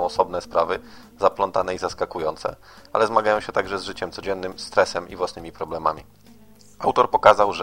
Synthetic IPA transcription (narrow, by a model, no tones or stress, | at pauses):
w̃ɔsɔbnɛspɾavɘ | zaplɔnt̪anɛizaskakujɔnt̪sɛ̰ | a̰lɛzmaɡajɔ̃w̃ɕɛt̪aɡʐɛzʐɘt͡ɕɛmt̪sɔd͡ʑɛnːɘmst̪ɾɛsɛmḭvwasnɘmʲipɾɔblɛmamʲi | awt̪ɔɾpɔkazawʐ